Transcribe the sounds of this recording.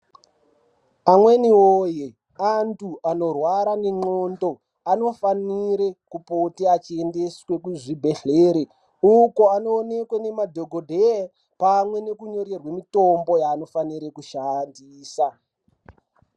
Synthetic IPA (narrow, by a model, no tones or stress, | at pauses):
amwe̞niwoːje | antʰuano̞rwaɾaneŋ͡ǃoːndo̞ | ano̞faniɾekupotiat͡ʃiende̞swe̞kuʐibʱe̞ɬeːɾe | uko̞ano̞ːne̞kwene̞madʱo̞ɡʱodʱea | pamwe̞ne̞kuɲo̞re̞rwemitombo̞jaːno̞faniɾekuʃandiːsa